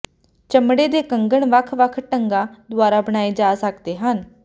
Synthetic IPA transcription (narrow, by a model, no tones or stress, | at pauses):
t͡ʃəmɽeːd̪eːkəŋɡəɳʋəkʰʋəkʰʈəŋɡaːd̪ʊaːɾaːbəɽ̃aːeːd͡ʒaːsəkd̪eːɦən